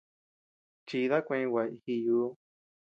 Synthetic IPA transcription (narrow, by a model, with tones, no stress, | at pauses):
t͡ʃi˧ða˦kʷẽ˧wa˨˧˨i˧hi˧juː˧˦